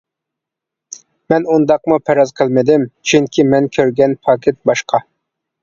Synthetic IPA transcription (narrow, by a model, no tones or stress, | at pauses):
mɛnund̪ɑqmupʰɛɾɑzqʰəlˠmɪd̪ɪmt͡ʃʰyŋkʲʰimɛnkʲʰøɾɡʲɛnpʰɑkʲʰɪt̪̚bɑʃqʰɑ